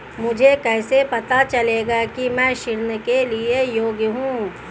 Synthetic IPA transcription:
mʊd͡ʒʱekɛːsepɐt̪at͡ʃɐleːɡakimɛ̃ːʃɪɾnkeliejoːɡjəɦũː

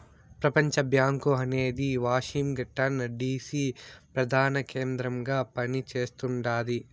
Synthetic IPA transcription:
pɾɐpɐɲt͡ʃɐbjaːŋkuɦɐneːd̪iʋaːʃimɡɐʈːɐnɖiːsiːpɾɐd̪ʱaːnɐkeːnd̪ɾɐmɡaːpɐnit͡ʃeːst̪uɳɖaːd̪i

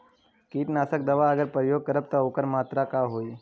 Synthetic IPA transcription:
kiːʈ̪naːsək̚d̪əʋaəɡəɾpɾəjoɡ̚kəɾəp̚t̪əokəɾmat̪ɾakaɦoːj

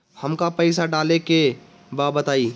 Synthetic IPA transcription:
hɐmkapɛɪsaɖaːleke | baːbət̪aːiː

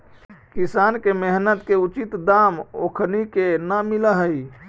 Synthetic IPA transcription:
kisankemeɦnət̪keut͡ʃit̪d̪amo̰kʰnikenəmiləɦəj

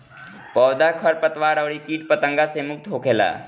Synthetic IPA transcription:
pɔːd̪akʰəɾpət̪ʋaːɾəʋɾikiːʈpət̪ə̃ŋɡasemʊk̚t̪ɦokʰeːla̰ː

